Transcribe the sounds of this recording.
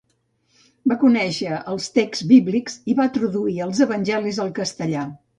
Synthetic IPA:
bakunɛʃəəlˠst̪ekz̥biβlikz̥iβat̪ɾuðuiəlˠzəβənʲʒɛlizəlˠkəst̪əʎa

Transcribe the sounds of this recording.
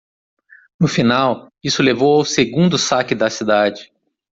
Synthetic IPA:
nʊfinaw | isʊlevowawseɡũnd̪ʊsakɪd̪ɐsid̪ad͡ʒɪ

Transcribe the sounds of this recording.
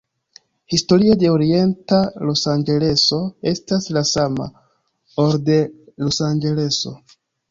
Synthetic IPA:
histo̞ɾiade̞oɾie̞ntalo̞sand͡ʒe̞le̞so̞e̞staslasama̰ | oɾde̞lo̞sand͡ʒe̞le̞so̞̰

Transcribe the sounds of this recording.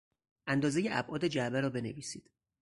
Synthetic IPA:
ʔænd̪ɒːzejeʔæbʔɒːd̪ed͡ʒæbæɾɒːbe̞neviːsiːd̪̥

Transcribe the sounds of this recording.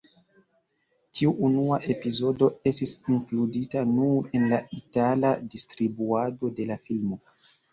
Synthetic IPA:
tʰiuʔunuaʔe̞pizo̞do̞e̞stisiŋkluditanuɾe̞nlaitaladistɾibuado̞de̞lafilmo̞

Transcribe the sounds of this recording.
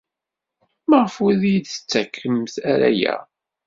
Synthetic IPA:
maʁəfʊðijd̪θə̥t͡sːækʰːəmθæɾæ̰jæ̰

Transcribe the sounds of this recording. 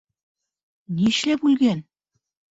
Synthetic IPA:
niʃlæpulɣæn

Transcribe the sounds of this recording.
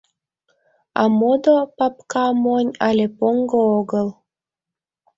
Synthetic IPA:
ɑ̰mod̪opɑpkɑmonʲɑlʲepoŋɡooɣəl

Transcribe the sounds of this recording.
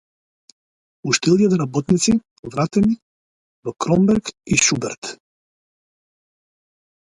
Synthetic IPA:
uʃt̪ilˠiɛt̪ɛɾabɔt̪nit̪si | vɾat̪ɛni | vɔkɾɔmbɛɾkiʃubɛɾt̪

